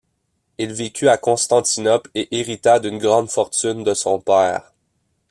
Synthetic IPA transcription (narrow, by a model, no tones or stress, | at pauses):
ilvekʲyakɔ̃st̪ɑ̃t̪inɔpleʔeʁit̪ad̪ynɡʁɑ̃d̪fɔʁt̪ynd̪əsɔ̃pɛːʁ